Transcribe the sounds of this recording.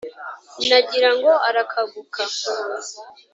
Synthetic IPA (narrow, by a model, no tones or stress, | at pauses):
naɟiɾaŋɡo̞aɾakʰaɡukʰa